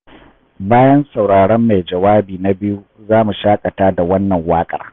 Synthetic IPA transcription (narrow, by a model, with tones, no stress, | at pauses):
baː˦jɐ˦nsa˨wɽaː˨ɽɐ˦mːa˨jd͡ʒɐ˨waː˦biː˨na˦bɪ˦ju˦zaː˦mu˨ʃaː˦kʼɐ˨taː˦da˨wɐ˦nːɐ˨ŋwaː˦kʼɐ̰˨r